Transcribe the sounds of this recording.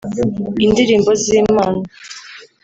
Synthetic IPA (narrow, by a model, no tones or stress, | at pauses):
indiɾiːmbo̞ziːmaːna